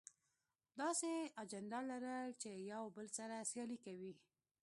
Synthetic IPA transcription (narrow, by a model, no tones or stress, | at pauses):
d̪ɑsead͡ʒand̪alaɾəlt͡ʃejawbəlsaɾasjɑlikawi